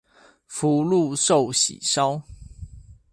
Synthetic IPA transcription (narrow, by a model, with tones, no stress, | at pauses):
fu˨˦lu˥˨ʂo˥˨ʊɕḭ˨˩ʂɑ˦ʊ